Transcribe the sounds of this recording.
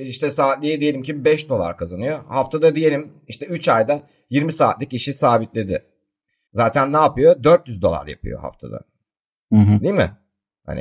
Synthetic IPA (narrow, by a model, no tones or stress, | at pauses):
iʃt̪ɛsaːt̪lʲijid̪ije̞lʲimcibbɛʃd̪o̞lˠa̰ɾkʰazanɯjohaft̪ʰad̪ad̪ije̞lʲim | iʃt̪ɛyt͡ʃajd̪a | jiɾmisaːt̪lʲiciʃisaːbit̪lʲe̞d̪ɪ | zaːt̪ʰænːaːpɯjod̪øɾt̪jyzd̪o̞lˠa̰ɾja̰pʰɯ̰jo̞̰ha̰ft̪ʰa̰d̪a̰ | ɯɦd̪ijmɪ̰ | ha̰nɪ̰